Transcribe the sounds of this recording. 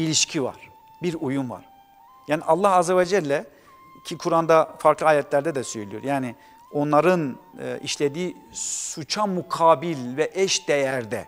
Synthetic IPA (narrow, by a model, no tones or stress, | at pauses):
ilʲiʃcʰiva̰ɾ̥ | biɾujunva̰ɾ̥ | jaːniʔalˠːahazɛvɛd͡ʒɛlʲːɛ | cʰikʰuɾand̪afaɾklˠɯaːjɛt̪lʲæɾd̪ɛd̪ɛsøjelʲijo̞ɾjaːni | o̞nlˠaɾɯn̰ːḭʃlʲed̪iːsut͡ʃʰamukʰaːbilʲvɛʔɛʃd̪ejæɾd̪ɛ̰